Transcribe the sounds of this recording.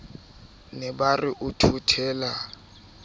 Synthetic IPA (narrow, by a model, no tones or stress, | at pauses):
nɛbarɪʔʊtʰutʰɛːla